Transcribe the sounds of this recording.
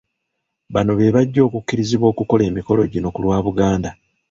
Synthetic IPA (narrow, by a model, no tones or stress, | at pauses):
βano̞βe̞βaɟːo̞ːkukːiɾiziβwo̞ːkuko̞le̞ːmiko̞lo̞ɟino̞kulwaːβuɡaːnda